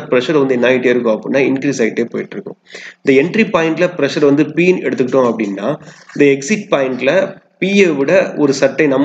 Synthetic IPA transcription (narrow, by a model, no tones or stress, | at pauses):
pɪɾɐʂɐɾʋɐnd̪ɯnːaːjɪʈːeɪɾɯkːʊ̃ɐpːɐɽɪnːaːɪnkɾiːsɐɪɪʈːeːpoːjɪʈːɾɯkːʊ̰̃ɪnd̪ɐɛɳʈɾipaːjɪɳʈlɐpɪɾɐʂɐɾʋɐnd̪ɯpiːnɛɽɯt̪ːɯkːɪʈːʊ̃ɐpːɐɽɪnːaːɪnd̪ɐɛksɪʈ̚paːɪɳʈɪlɐ | piːeʋɪɽɐɔɾɯsɐʈːɐɪnɐmː